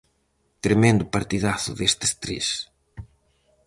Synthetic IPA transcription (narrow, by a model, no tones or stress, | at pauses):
t̪ɾemẽnd̪ʊpaɾt̪iðaθʊ̰ðest̪e̥st̪ɾḛs